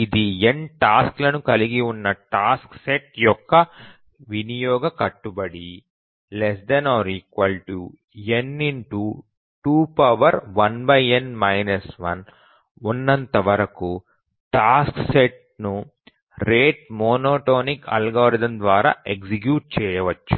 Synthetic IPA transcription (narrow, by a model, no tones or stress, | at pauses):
id̪ienʈaːsklɐnukɐliɡiunːɐʈaːskseʈjɔkːɐ | ʋinijɔːɡɐkɐʈːubɐɽi | les̬d̪ɐnaːɾiːkʋɐlʈu | eniɳʈu | ʈuːpɐʋɐɾʋɐnbɐjenmɐjnɐsʋɐn | unːɐnt̪ɐʋɐɾɐku | ʈaːskseʈ̚ | nu | ɾeːʈ̚moːnoːʈoːnikɐ̰lɡoːɾid̪ɐnd̪ʋaːɾa̰ːʔeksik̬juːʈ̚t͡ʃɛːjɐʋɐt͡ʃːu̥